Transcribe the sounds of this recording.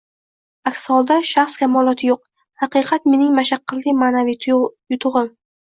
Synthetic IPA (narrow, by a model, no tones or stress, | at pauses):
akʲsɒlˠd̪aʃaχskʲʰamɒlˠɒt̪ʰɪjoq̚ | hɑqɨqʰɑt̪me̞nɪŋmaʃaqʰːɨlːɪmaːnavijʊt̪ʰʊʁɨm